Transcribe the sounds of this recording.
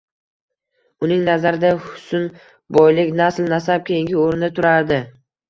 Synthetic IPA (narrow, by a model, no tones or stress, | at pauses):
ʊnɪŋnazaɾɪd̪ahʊ̥sʊn | bɒjlɪkʲnaslnasap̚kʲʰejɪŋɡʲɪoɾnɪt̪ʰʊɾaɾd̪ɪ